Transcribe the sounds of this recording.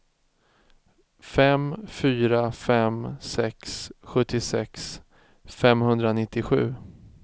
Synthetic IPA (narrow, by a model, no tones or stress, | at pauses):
fɛmfyːɾafɛmsɛksɧɵt̪ːɪsɛks | fɛmhɵnd̪ɾanɪt̪ːɪɧʉ̟ː